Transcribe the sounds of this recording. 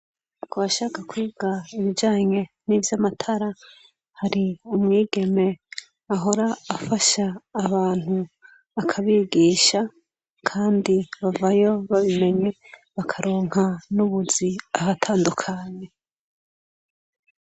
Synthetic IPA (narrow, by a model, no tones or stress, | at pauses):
kuβaʃaːkakwiːɡaiβid͡ʒaːɲe̞nivjamatʰaɾa | haɾiumŋiːɡe̞me̞ | aɦo̞ɾaːfaʃaːβaːn̥hu | akʰaβiɡiːʃa | kʰaːndiβavajo̞βaβime̞ɲe̞βakʰaɾoːŋ̥hanuβuziahatʰaːndukʰaɲe̞